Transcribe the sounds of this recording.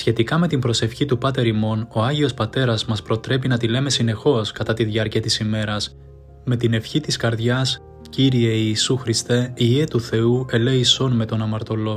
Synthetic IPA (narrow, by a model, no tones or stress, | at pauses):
sçe̞t̪ikɐme̞t̪imbɾo̞se̞fçit̪upɐt̪e̞ɾimo̞no̞ɐʝio̞spɐt̪e̞ɾɐzmɐspɾo̞t̪ɾe̞p̬inɐt̪ile̞me̞sine̞xo̞skɐt̪ɐt̪iðʝɐɾciɐt̪isime̞ɾɐs | me̞t̪ine̞fçit̪iskɐɾðʝɐs | ciɾie̞iːsuxɾist̪e̞iet̪uθe̞ue̞le̞iso̞nme̞t̪o̞nɐmɐɾt̪o̞lo̞